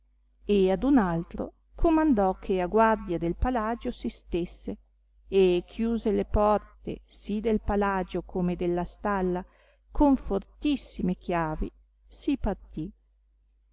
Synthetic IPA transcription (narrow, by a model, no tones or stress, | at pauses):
ead̪unalt̪ɾo̰ | kʰomand̪ɔkʰeaɡward̪jad̪elpalaːd͡ʒosist̪esːe | ekʰːjuːzelepɔrt̪ḛsid̪elpalad͡ʒokʰomed̪elːast̪alːa | kʰoɱfort̪isːimek̟jaːvḭ | sipart̪i